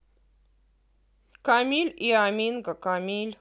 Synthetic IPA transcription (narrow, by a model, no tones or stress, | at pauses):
kamʲilʲiamʲinɡəkamʲilʲ